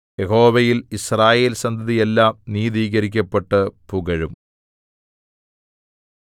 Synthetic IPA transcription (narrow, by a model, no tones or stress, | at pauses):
jeho̞ːʋɐjilisraːje̞ːlsɐnd̪ʱɐðijelːaːmniːðiːɣɐɾikʲːɐpːe̞ʈːɨpuɡɐɻum